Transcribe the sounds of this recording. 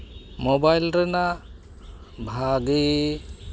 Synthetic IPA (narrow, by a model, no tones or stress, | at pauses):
mɔbajlɾɛna | bʱaɡi